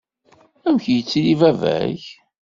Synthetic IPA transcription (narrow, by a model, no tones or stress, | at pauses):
æmçjət͡sːlivævæ̰ç